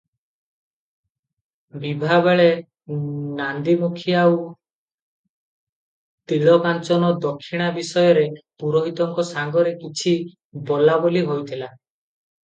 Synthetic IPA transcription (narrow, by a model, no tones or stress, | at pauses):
bibʱabeɭe | nand̪imukʰijau | t̪iɭɔkant͡ʃɔnɔd̪ɔkʰːiɽ̃abisɔjɔɾepuɾɔɦit̪ɔŋkɔsaŋɡɔɾekit͡ʃʰi | bɔlaboliɦojt̪ʰila